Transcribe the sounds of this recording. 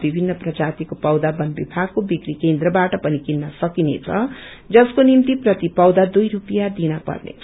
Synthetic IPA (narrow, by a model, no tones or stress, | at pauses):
bibʱinːʌprʌd͡zat̪ikopʌwd̪abʌnbibʱaɡ̚kobikɾikend̪rʌbaʈʌpʌnikinːʌsʌkinḛt͡sʰʌ | d͡zʌskonimt̪iprʌt̪ipʌwd̪ad̪ujɾupijad̪inʌpʌ̰rnḛ